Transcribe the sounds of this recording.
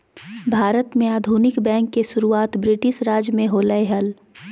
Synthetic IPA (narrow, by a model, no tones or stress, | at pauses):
bʱaːɾət̪mẽaːd̪ʱuːnɪkbɛ̃ːŋkːeʃʊɾuaːt̪bɾɪʈɪʃɾaːd͡ʒjəmẽɦoːləeɦəl